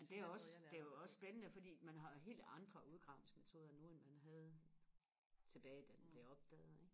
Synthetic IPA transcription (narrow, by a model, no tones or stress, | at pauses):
æd̥e̝æɐɒ̽sd̥e̝jɒ̽ssb̥enənəfɒd̥ḭːmænɦɑ̈ɦe̝̰ːld̥ɑ̈nd̥ʁɐuð̞̩ˠɡ̥ʁɑ̈ʊneŋsme̝t͡sʰo̝ːð̞ˠɐnuːenmænɦæð̞ˠ | t͡sʰe̝b̥ɛːɪd̥ænb̥le̝ɒ̽b̥̚d̥ɛ̰ːð̩ˠeɡ̥